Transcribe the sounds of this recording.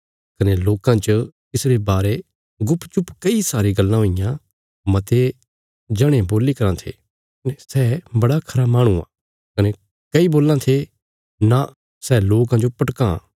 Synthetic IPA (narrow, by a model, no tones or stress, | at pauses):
kɐneloːkãt͡ʃət̪ɪsɾebaːɾe | ɡʊpt͡ʃʊpkɐisaːɾiɡɐlːãɦoɪjã | mɐt̪e | d͡ʒɐɽ̃ẽboːlikɐɾãt̪ʰḛ | nesɛbɐɽakʰɐɾamaːɽ̃uã̰ | kɐne | kɐiboːlːãt̪ʰe | na | sɛːloːk̬ãd͡ʒopɐʈkã̰